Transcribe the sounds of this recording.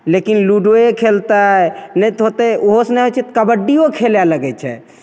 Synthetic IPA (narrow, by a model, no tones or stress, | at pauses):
lekinluɖoekʰelt̪anɛjt̪ot̪eoɦosnɛɦot͡ʃʰɛt̪kəbəɖːijokʰeljaləɡɛt͡ʃʰɛ̰